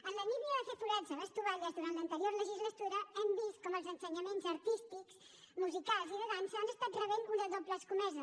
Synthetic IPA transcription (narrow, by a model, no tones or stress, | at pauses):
ənləniβiəðəfət̪uɾɛzələst̪uβaʎəzðuɾant̪lənt̪əɾioɾləʒizlət̪uɾəɛmbist̪̚kɔməlˠzənsəɲəmenzəɾt̪ist̪iks | muzikalˠziðəðaɲsanəst̪at̪rəβenunəðopləskumɛzə